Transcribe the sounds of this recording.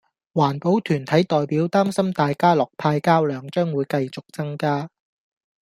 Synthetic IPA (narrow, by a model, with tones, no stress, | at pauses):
waː˨˩npo˨˥wt̪ʰyː˨˩nt̪ʰɐ˨˥jt̪ɔː˨jpiː˨˥wt̪aː˥msɐ˥mt̪aː˨jkaː˥lɔː˨˩k̚pʰaː˧jkaː˥wlœː˨˧ŋt͡ʃœː˥ŋwuː˨˧jkɐ˧jt͡sʊ˨k̚t͡sɐ˥ŋkaː˥